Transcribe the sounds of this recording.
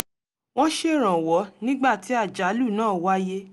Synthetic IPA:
w̃ɔ̃˦ʃe˦˨ɾ̃ã˨wɔ˨˦nĩ˦ɡ͡ba˦˨ti˨˦a˦˨d͡ʒa˨˦lu˦˨nãː˦˨wa˦je˦

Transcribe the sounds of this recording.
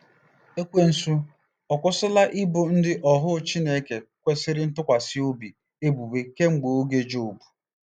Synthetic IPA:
e˦kʷe˦n̩˨su˦ | ɔ˨kʷʊ˦sɪ˦la˦ʔɪ˦bʊ˨n̩˦dɪ˦ʔɔ˨ɦʊ˦t͡ʃi˦ne˦ke˨kʷe˦sɪ˦ɾɪ˦n̩˦tʊ˦kʷa˨sɪ˦o˦bi˨ | e˦bu˨be˦ke˦ŋ͡m̩˦ɡ͡bo˨o˦ɡe˦d͡ʒo˨bu̥˨

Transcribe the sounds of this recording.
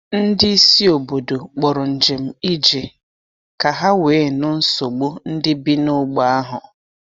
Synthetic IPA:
n̩˦dɪ˦i˦si˦o˨bo˨do˨k͡pɔ˨ɾʊ˨n̩˨d͡ʒe˨m̩˨i˦d͡ʒe˨ | ka˨ɦa˦weː˨˦nʊ˦n̩˦so˨ɡ͡bo˦n̩˦dɪ˦bi˦nʊ˦ɡ͡ba˨a˦ɦʊ˨

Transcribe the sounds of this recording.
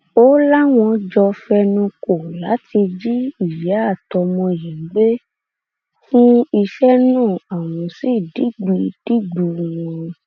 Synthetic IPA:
o˦la˦w̃ɔ̃˧d͡ʒɔ˧fɛ˧nũ˧ko˨la˨˦tʰi˧d͡ʒi˦i˦˨jɛ˨˦a˦˨tɔ˨˧mɔ̃˧ji˨˦ɡ͡be˦ | fũ˦i˧ʃɛ˦nũː˦˨a˨w̃ɔ̃˧si˦˨di˨˦ɡ͡bi˧d̥i˦ɡ͡bu˨˧w̃ɔ̃˧

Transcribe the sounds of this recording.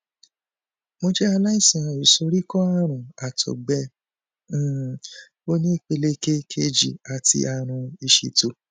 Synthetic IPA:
mo˦d͡ʒɛ˦a˧la˦i˦˨sĩ˨ã˨i˨so˧ɾi˦kɔ˦a˦˨ɾ̃ũ˨a˨tʰɔ̰˨ɡ͡bɛ̃˧˨ | o˦nĩ˦˨k͡pe˧le˦ke˦kʰe˧d͡ʒi˨a˨tḭ˧˦ʔa˧ɾ̃ũ˧i˧ʃḭ˧to˧

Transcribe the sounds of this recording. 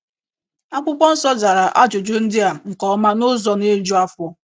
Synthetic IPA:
a˦kʷʊ˦k͡pʷɔ˦n̩˦sɔ˦za˨ɾa˨ʔa˦d͡ʒʊ˨d͡ʒo˦n̩˦dɪ˦a˨ŋ̩˨kɔ˦ma˦nʊ˦zɔ˦ne˦d͡ʒu˦a˦fɔ˦

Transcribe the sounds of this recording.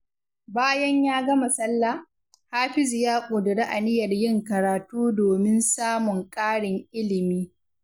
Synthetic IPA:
baː˦jɐ˦ɲjaː˦ɡɐ˦mɐ˨sɐ˦lːa˨ | haː˦ɸɪ˦zjaː˦kʷʼoː˨dʊ˨ɽa˦ʔa˨nɪ˦jɐ˨rjɪ˦ŋkɐ˨ɾaː˨tuː˦doː˨mɪ˦nsaː˦mʊ˨ŋkʼaː˦ɽɪ˨ŋʔɪ˦lɪ˨miː˦

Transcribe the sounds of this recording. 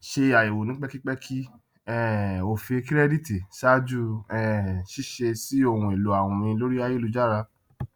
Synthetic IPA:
ʃe˧a˨i˨wo˨nĩ˨˦k͡pɛ˦ki˦k͡pɛ˦kʰi˦ | ɛ˦o˨fi˧e˧ki˦ɾɛ˦di˦ti˨ʃa˦d͡ʒu˦ɛ˦ʃi˦ʃe˧si˦o˧˨ũ˧e˨lu˨˦a˦˨wũ˧mĩ˧lo˦ɾi˦a˦je˦lu˨˧d͡ʒa˦˨ɾa˧

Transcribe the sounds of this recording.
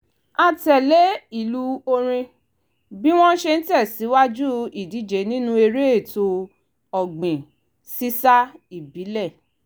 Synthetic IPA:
a˨tɛ˨le˨˦i˦˨lu˦o˧ɾ̃ĩ˧ | bi˦w̃ɔ̃˦n̩˦ʃe˧n̩˦tɛ˦˨si˨˦wa˦d͡ʒu˦i˨di˨˦d͡ʒe˨˦nĩ˦nũ˦e˧ɾe˦e˦˨to˧ | ɔ˨ɡ͡bĩ˨ | si˦sa˦i˦˨bi˨˦lɛ˦˨

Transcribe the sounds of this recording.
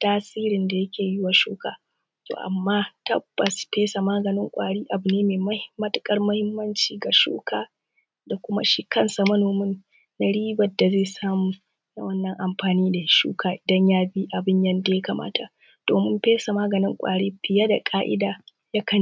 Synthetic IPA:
taː˦siː˦ɾɪ˨nda˨jɐ˦kʲeː˨jɪ˦wa˨ʃṵː˦ka̰ː˨ | to̰ː˨ʔa̰˨mːaː˦tɐ̰˦bːɐ˨speː˦sa˨maː˦ɡɐ˨nɪ˦ŋkʷʼa̰ː˨ɽiː˦ʔa˨bʊ˨neː˦meː˨mɐ˦hmɐ˦tɪ˦kʼɐ˦rmɐ˦hɪ˦mːɐ˦nt͡ʃiː˨ɡa˨ʃṵː˦kaː˦ | da˨kʷʊ˦ma̰˦ʃi˦kɐ˦nsa˨mɐ˦noː˨mɪ˦nː | a˨ɽiː˦bɐ˨dːa˨zeː˦˨saː˦muː˨ | na̰˦wɐ˦nːɐ˨ŋʔa˨mɸaː˨niː˦da˨˦ʃṵː˦kʰaː˨ʔɪ˨dɐ˦ɲjaː˦bi˦ʔa˨bɪ˦ɲjɐ˦nda˨ja˦ka˨mʔa̰ː˦tʰa˨ | d̥oː˨mɪ˦mɸeː˦sa˨maː˦ɡɐ˨nɪ˦ŋkʷʼa̰ː˨ɽeː˦ɸɪ˨ja˦da˨kʼaː˦ʔɪ̰˦daː˨ | ja˦kɐ˦˨n

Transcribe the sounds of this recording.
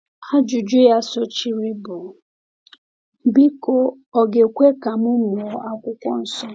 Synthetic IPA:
ha˦d͡ʒu˨d͡ʒu˦ja˦so˦t͡ʃi˦ɾi˦bʊ˨˦ | bi˦ko˦ | ɔ˨ɡe˨kʷe˦ka˨mʊ˦mʊ˨ɔ˨ʔa˦kʷʊ˦kʷɔ˦n̩˨sɔ˦

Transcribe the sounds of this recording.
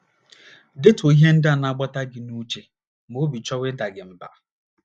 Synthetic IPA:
dɪ˦to˨i˦ɦe˦n̩˦da˨na˦ɡ͡ba˦ta˦ɡɪ˨nu˦t͡ʃe˦ | mo˨˦bi˨t͡ʃɔ˦wɪ˦da˨ɡɪ˨m̩˨ba̰˨

